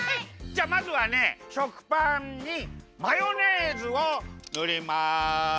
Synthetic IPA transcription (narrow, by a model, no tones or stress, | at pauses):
d͡ʑaːmazɨβane̞ɕokɯ̥pãɲɲimajoneːzɨonɯɾʲima